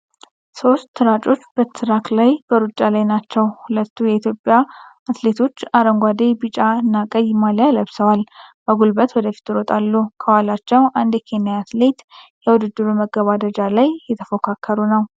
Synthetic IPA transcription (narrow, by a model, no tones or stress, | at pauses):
so̞st̪ːɨɾat͡ʃʼo̞t͡ʃːbət̪ːɨɾaklajb̥əɾut͡ʃʼːalajnat͡ʃːɛwhulət̪ʰːujɛit̪ʰjo̞pʼja | at̪le̞t̪ʰo̞t͡ʃːaɾəŋɡʷad̪ebɨt͡ʃʼaɨnːakʼəjmaljaləβsəwalb̥əɡulbət̪wɔd̪əfi̥t̪ɨɾot̪ʼalːukʰəwalat͡ʃːɛwʔand̪jɛkʰe̞nijaat̪le̞t̪jɛwud̪ɨd̪ːɨɾuməɡəβad̪əd͡ʒalajːɛt̪ʰəfokʰakʰːəɾunəw